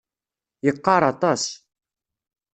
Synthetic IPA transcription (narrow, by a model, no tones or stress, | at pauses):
jəqːɑɾˤɑt̪ˤɑs